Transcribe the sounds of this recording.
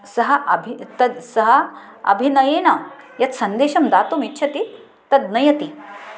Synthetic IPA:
sɐɦɐʔɐbʱit̪ɐd̪sɐɦɐ | ɐ̰bʱinɐjeːnɐ | jɐt̪sɐnd̪eːʃɐmd̪aːt̪omitːɕʰɐt̪i | t̪ɐd̪nɐjɐt̪i

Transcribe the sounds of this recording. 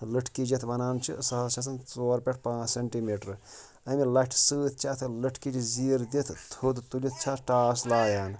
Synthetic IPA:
ləʈʰkid͡ʒɐt̪ʰbɐnaːnt͡ʃʰḭsɐt̪t͡ʃʰɐs̬ɐnt͡soːɾpeʈʰpãːt͡ʃseɳʈimiːʈɾ | ɐmilɐʈʰsɨːt̪̚ʰt͡ʃʰɐt̪ʰləʈʰkit͡ʃiziːɾd̪it̪ʰt̪ʰud̪t̪ulit̪̚ʰt͡ʃʰat̪ʰʈaːslaːjaːn

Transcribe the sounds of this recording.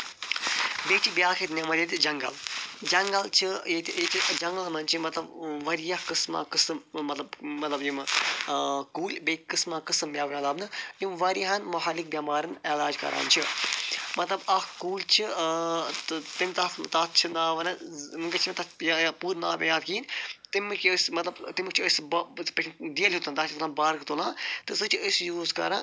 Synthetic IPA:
beːt͡ʃʰibjaːkʰet̪nʲɐmɐɾʲet̪ʲid͡ʒɐŋɡɐ̰ld͡ʒɐŋɡɐlt͡ʃʰijet̪ʲet͡ʃʰid͡ʒɐŋɡɐlmɐnt͡ʃʰimɐt̪lɐbʋɐɾijɐhkɨsma̰ːkɨsɨmmɐt̪lɐbːɐt̪lɐbjim | kuːlʲbeːkɨsmaːkɨsɨmbʲjaːʋɐnɐlɐːbnɨjimʋɐɾiɦɐnmɐɦalik̚bʲɐːmaːɾɨnelaːd͡ʒkɐ̰ɾa̰ːnt͡ʃʰi | mɐt̪lɐbɐhkuːlʲt͡ʃʰi | t̪t̪imt̪ɐft̪at̪̚t͡ʃʰinaːʋɐnɨmɨŋɡɐt͡ʃʰimʲt̪ɐjapuːɾna̰ːpʲãjaːd̪kiːnt̪imːɨkʰʲəsmɐt̪lɐbt̪imɨk̚t͡ʃʰiəsbpɐkʰnd̪ijɐlʲɦut̪ɨnt̪aːt̪ːlãːnbaːɾkt̪oːlãːt̪ɨsɨt͡ʃʰiəsjuːzkɐ̰ɾãː

